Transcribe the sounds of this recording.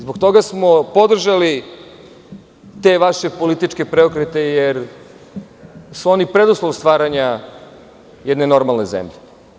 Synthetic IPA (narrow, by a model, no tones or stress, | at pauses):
zbokt̪o̞ɡasmopo̞d̪r̩ʒali | t̪e̞ʋaʃe̞po̞lit̪it͡ʃke̞pɾeokɾet̪e̞jeɾ | suo̞nipɾed̪uslˠoʋst̪ʋaːɾaɲa | jɛd̪ne̞no̞ɾmalˠne̞zḛmʎe